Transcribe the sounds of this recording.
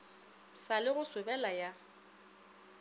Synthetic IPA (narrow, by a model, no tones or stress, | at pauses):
salɪɣʊswɪbɛlaja